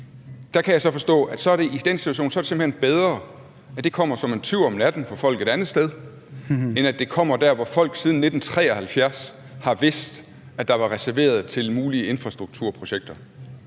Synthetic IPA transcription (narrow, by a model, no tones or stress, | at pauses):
d̥ækʰæjɑ̈ɪsɒ̽fɒ̽sd̥ɔ̰̽ːæd̥sɒ̽æɐɾ̥e̝ʔid̥ensi̥uæɕo̝̰ːnsɒ̽ɐɾese̝mbl̩henb̥eð̞ˠʁɐ | æd̥e̝kʰɒ̽m̰ɐsɒ̽me̝nt͡sʰyɐ̰ɒ̽mnæd̥n̩fɒ̽fɒ̽l̰ɡ̥e̝d̥ænð̩ˠsd̥eð̞ˠ | enæd̥e̝kʰɒ̽m̰ɐd̥æɐʋɒfɒ̽l̰ɡ̥siːð̞ˠn̩ːe̝d̥n̩t͡sʰʁɛ̰ːɒhælfjæɐs | hɑ̈ʋe̝sd̥ | æd̥ɑ̈ʋɑ̈ʁɛsæɐʋe̝̰ːɐð̞ˠt͡sʰe̝lmuːliəe̝nfʁɑ̈sd̥ʁuɡ̥̚t͡sʰuɐ̰pʰʁo̝ɕeɡ̥̚d̥ɐ